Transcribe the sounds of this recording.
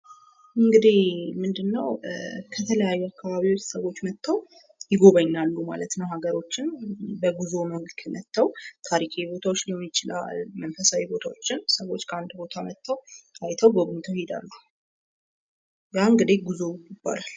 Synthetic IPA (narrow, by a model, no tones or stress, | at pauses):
ɨŋɡɨd̪ihmɨnd̪ɨnːəwkʰət̪ʰələjajːɛakʰːaβaβiwot͡ʃsəwo̞t͡ʃːmət̪ʰːəw | jɪɡo̞βaɲːalːuma̰lət̪nəwɦaɡəɾo̞t͡ʃːɪnbəɡuzo̞məɡkʰəmət̪ʰːəwt̪ʰaɾikʰaibo̞t̪ʰawot͡ʃːnjɛmːɪt͡ʃɪla̰lmənfəsawibo̞t̪ʰawot͡ʃːɪnsəwo̞t͡ʃːkʰəand̪bo̞t̪ʰamət̪ʰːəwajt̪ʰəwɡoɡnt̪ʰowhed̪a̰lːu | jaɨŋɡɨd̪ihɡuzojɪb̥ːa̰lal